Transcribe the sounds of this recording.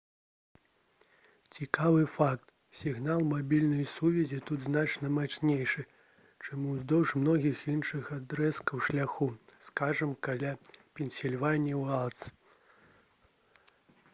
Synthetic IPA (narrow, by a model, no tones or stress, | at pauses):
t͡sʲikavɨfakt̪ | sʲiɣnalˠmabʲilʲnɐjsuvʲɛzʲit̪ud̪znat͡ʂnɐmat͡ʂnʲejʂɨ | t͡ʂamuzd̪ɔwʂmnɔɣʲixinʂɨxad̪ɾɛskɐwʂlʲaxuskaʐɐmkalʲapʲɛnʲsʲilʲvanʲiwalˠt̪s